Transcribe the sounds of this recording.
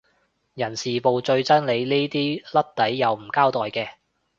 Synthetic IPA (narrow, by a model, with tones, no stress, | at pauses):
jɐ˨˩nsiː˨po˨˧wt͡sɵ˧ɥt͡sɐ˥nle˨˧jniː˥t̪iː˥lɐ˥t̚t̪ɐ˨˥jːɐ˨˧wm̩˨˩kaː˥wt̪ɔː˨jkɛː˧